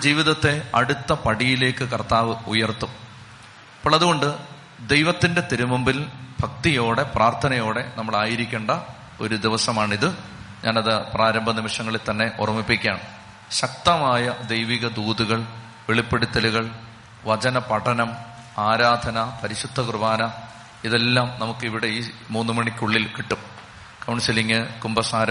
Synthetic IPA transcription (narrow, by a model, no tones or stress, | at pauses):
d͡ʑiːʋiðɐt̪ːe̞ɐ̰ɽut̪ːɐpɐɽijile̞ːkːɨkɐrt̪aːʋɨujɐrt̪ːum | pːɐɭːɐðuɣo̞ɳɖɨ | d̪ejʋɐt̪ːinde̞t̪iɾumɐmbilbʱɐk̚t̪ijo̞ːɽe̞praːrt̪ʰɐnɐjo̞ːɽe̞nɐmːɐɭaːjiɾikʲːeːɳɖɐ | o̞ɾud̪iʋɐsɐmaːɳiðɨ | ɲa̰ːnɐðɨpraːɾɐmbʱɐnimiʂɐŋːɐɭielt̪ɐnːe̞ʔo̰rɐmːipːikʲːa̰ːɳɨ | ɕɐk̚t̪ɐmaːjɐd̪ɐjʋiɣɐd̪uːðuɣɐɭ | ʋeɭipːeɽut̪ːɐluɣɐɭ | ʋɐt͡ɕɐnɐpɐʈʰɐnɐm | aːɾaːd̪ʱɐnɐpɐɾiɕud̪ʱːɐkrɨʋaːnɐ | iðe̞lːaːmnɐmukːiʋiɽe̞iːmuːnːɨmɐɳikʲːuɭːilkiʈːum | kɐwɳsiliŋːɨkumbɐsaːɾɐ